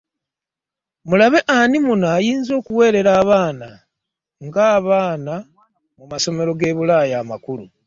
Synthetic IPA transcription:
mulaβe̞ʔanimunaːjiːnzo̞ːkuwe̞ːɾe̞ɾaːβaːna | ŋɡaːβaːna | mumaso̞me̞ɾo̞ɡe̞ːβulaːjaːmakulu

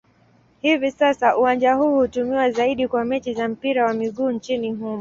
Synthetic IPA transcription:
hivisasaʔuwand͡ʒahuːhutumiwazaiɗikwamɛt͡ʃizam̩piɾawamiɠuːnt͡ʃiniɦumɔ

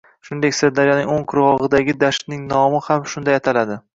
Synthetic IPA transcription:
ʃʊnd̪e̞kʲseɾd̪aɾjɒnɪŋoŋqʰʊɾʁɒʁɨd̪aɡʲɪd̪aʃt̪nɪŋnɒmɪhamʃʊnd̪ajat̪ʰalad̪ɪ

